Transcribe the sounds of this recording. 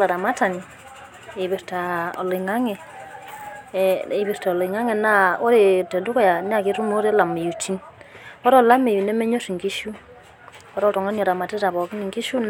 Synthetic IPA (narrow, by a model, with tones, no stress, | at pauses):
la˨ɾa˨ma˦ta˨ni˨ | e˨βe˨ɾta˨ɔ̰˨lɪ˨ŋa˦ŋɛ˨ | i˨βi˨ɾta˨ɔ˨le˨ŋa˦ŋɛ˨na˦o˦ɾe˨tɛ˨du˦kɔ˦ja˨ni˦a˦˨ki˦ɾu˦mo˦ɾe˦la˨mi˨ju˨ti˦n | ɔ˦ɾɔ˦la˦me˨i˨nɛ˦mɛ˦ɲo˦si˨ŋɡi˦ʃu˦ | ɔ˦ɾɔ˦tɔ˨ŋa˦nɔ˨ɾa˨ma˨te˦ta˨βɔ˨ki˦ni˨ŋɡi˦ʃu˦n